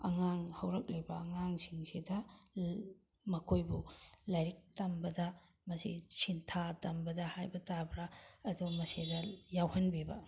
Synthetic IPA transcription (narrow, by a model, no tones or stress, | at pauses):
ɐ̰ŋaŋhɐwɾɐk̚lɐjbɐɐŋaŋsiŋsidɐ | mɐkʰojbulajɾik̚tɐmbɐdɐ | mɐsisintʰatɐmbɐdɐhajbɐtabɾaɐdumɐsidɐjawhɐnbibɐ̰